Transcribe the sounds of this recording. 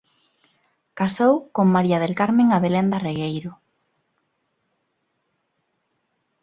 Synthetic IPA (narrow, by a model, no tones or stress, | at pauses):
kasowkoŋmaɾiaðelkaɾmẽŋaβelend̪areɣejɾʊ